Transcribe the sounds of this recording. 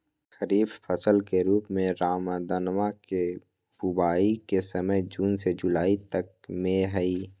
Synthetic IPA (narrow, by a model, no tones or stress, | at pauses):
xəɾiːbfəsəlkeɾuːpmẽɾaːmad̪ənʋake | bʊbaːikesəməjd͡ʒuːnsed͡ʒʊlaːit̪ək̚mẽɦɛiː